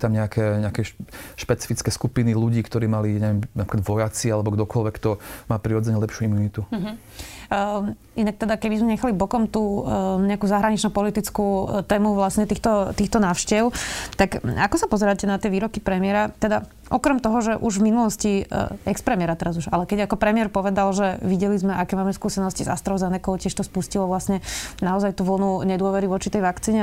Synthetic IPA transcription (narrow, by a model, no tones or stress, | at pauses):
ut̪amɲɛakʰɛɲɛakɛʃpɛt͡si̥fit͡skɛskupiniluɟiːkt̪ɔɾiːmaliɲɛʋɛmnapɾikad̪ʋɔjat͡sialɛbɔɡd̪ɔkɔlʋɛkt̪ɔmaːpɾiɾɔd͡zɛɲɛlɛpʃjuimuːnit̪uɦ | inak̚t̪ɛd̪akɛbizmɛɲɛxalibɔkɔmt̪uːɲɛakuzaɦɾaɲit͡ʃnupɔlit̪it͡skut̪ɛːmuʋlasɲɛt̪iːxt̪ɔt̪iːxt̪ɔnaːʊʃcɛʊt̪akakɔsapɔzɛɾaːcɛnat̪ɪɛʋiːɾɔkipɾɛmɪɛɾat̪ɛd̪a | ʔɔkɾɛmt̪ɔɦɔʒɛʔuʒvminulɔsciɛkspɾɛmɪɛɾat̪ɛɾazuʒalɛkɛɟakɔpɾɛmɪɛɾpɔʋɛd̪alʒɛʋiɟɛlizmɛʔakɛːmaːmɛskuːsɛnɔsciza̰st̪ɾɔʊzɛnɛkɔʊcɪɛʃt̪ɔspuscilɔʋlasɲɛnaɔzajt̪uʋl̩nuɲɛd̪ʊɔʋɛɾiʋɔt͡ʃit̪ɛjʋakt͡siːɲɛ